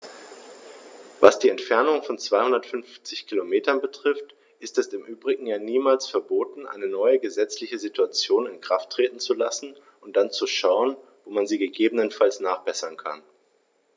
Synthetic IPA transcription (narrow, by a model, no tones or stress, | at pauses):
vasd̥iːɛntfɛɐnʊŋfɔnt͡sv̥aɪhʊndɐtfʏnft͡sɪçkʰilomeːtɐnbətʁ̥ɪft | ʔɪstɛstɪmʔyːbʁɪɡŋ̩jaːniːmaːlsfɛɐboːtn̩ʔa̰ɪnənɔʏəɡəzɛt͡slɪçəzituat͡sjoːnɪnkʁ̥aftʰːʁ̥eːtn̩t͡sulasn̩ | ʊnt̚d̥ant͡suʃaʊənvoːmanziːɡəɡeːbənənfalsnaːχb̥ɛsɐnkʰa̰n